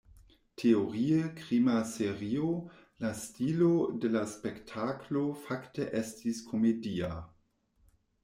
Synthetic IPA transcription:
tʰeoɾiekʁimaseʁio | lastilodelaspektʰaklofakteʔestiskʰo̞media

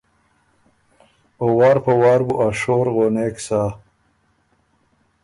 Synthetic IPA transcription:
owaːɾpɐwaːɾbuʔaʂoːɾɣoneksaː

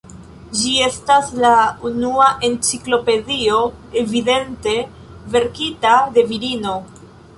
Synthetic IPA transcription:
d͡ʒie̞staslaunuaʔe̞nt͡siklo̞pe̞dio̞ | evide̞nte̞ | ve̞ɾkitade̞viɾino̞

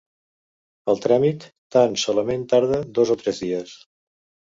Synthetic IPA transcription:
əlˠt̪ɾamit̪ːansɔləment̪aɾð̞əd̪ɔzɔt̪ɾɛzðiəs

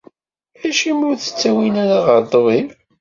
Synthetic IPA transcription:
æʃimuθə̥t͡sːæwinæɾaʁəɾd̪ˤvim

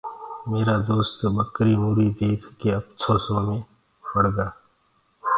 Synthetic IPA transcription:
meːɾad̪oːst̪bəkɾimuːɾid̪eːkʰkeəpt͡ʃʰoːsõmẽ | pəɽɡaː

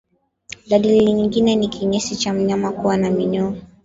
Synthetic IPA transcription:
ɗaɗiliiɲiŋɡinɛnikʰiɲɛsit͡ʃam̩ɲamakuwanamiɲɔ

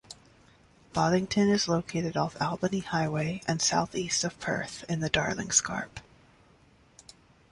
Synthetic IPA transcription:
b̥ɑɾɪ̃ŋtʰɨ̃nɨzloʊkʰeɪɾɨɾɔfælˠbɨnihaɪweɪʔɨ̃nsaʊθistʌv̥pʰɜ̰˞θɨ̃nðɨdɑɹlɪ̰̃ŋskʰɑ̰ɹp

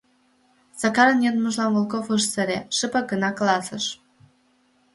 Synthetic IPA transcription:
z̥ɑkɑɾənjed̪məʒlɑnvolˠkofɨʃsə̆ɾʲeʃɨpəɡə̆nɑklɑsə̆ʃ

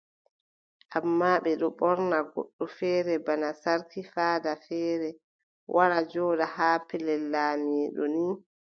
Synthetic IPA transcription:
ʔamːaːɓɛɗɔɓɔɾnaɡɔ̰ɗːɔfɛːɾɛbanasaɾkifaːdafɛːɾɛ | wʔaɾad͡ʒɔːɗahaːpɛlɛlaːmiːɗɔ̰ni

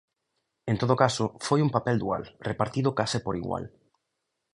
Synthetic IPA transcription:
ẽnt̪oð̞okasʊfojumpapɛld̪ua̰lrepaɾt̪iðʊkasɪpoɾiɣwa̰l

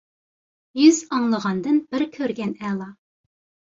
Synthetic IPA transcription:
jyzɑŋlˠəʁɑnd̪ɨnb̥ɪɾkʲʰøɾɡʲɛnɛlˠɑ

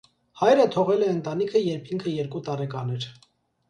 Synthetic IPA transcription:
hɑjɾət̪ʰɔʁɛlɛənt̪ɑnikʰəjɛɾpʰiŋkʰəjɛɾkut̪ɑɾɛkɑnɛɾ

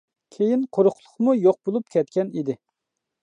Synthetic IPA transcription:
kʲʰejinqʰoɾʊqlˠʊ̥χmujoq̚bolˠupkʲʰɛt̪kʲɛnid̪ɪ

